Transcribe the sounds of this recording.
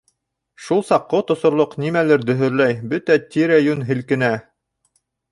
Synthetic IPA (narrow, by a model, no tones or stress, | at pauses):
ʃulˠsɑqːot̪ŏsŏɾlˠoqnimælɘɾd̪ɵ̆ɦɵ̆ɾlæjbɵt̪æt̪ʲiɾæjʉnɦɘ̆lkɘ̆næ